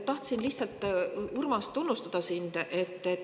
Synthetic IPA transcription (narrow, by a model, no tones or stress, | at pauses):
t̪ɑht̪sinliçsɑlt̪ːˑurmɑst̪unːust̪ɑd̪̥ɑsind̪̥ʔe̞t̪ːe